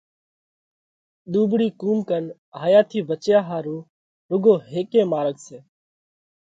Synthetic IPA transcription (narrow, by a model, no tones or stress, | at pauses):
ɗ̪uːbɽiːkuːmkən | ɦaːjaːt̪ʰiːʋət͡ʃjaːɦaːɾuː | ɾʊɡoːɦeːkẽːmaːɾəkseː